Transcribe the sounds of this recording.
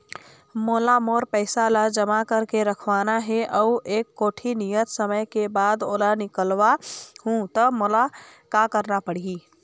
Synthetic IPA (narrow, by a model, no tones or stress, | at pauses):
molamoɾpəɪsalad͡ʒəmakəɾkeɾəkʰʋanaɦɛʔəuʔekːoːʈʰinijət̪səməjkebad̪oːlanikəlʋahũt̪əmolakakəɾnapəɽ̤ii